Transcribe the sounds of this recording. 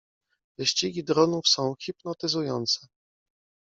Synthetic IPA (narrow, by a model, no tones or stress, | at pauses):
vɘɕt͡ɕiɡʲid̪ɾɔnufsɔ̃w̃xʲipnɔt̪ɘzujɔ̰nt̪sɛ